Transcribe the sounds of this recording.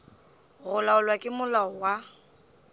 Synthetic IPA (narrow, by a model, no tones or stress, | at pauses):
ɣʊlaʊlwakʼɪmʊlaɔwa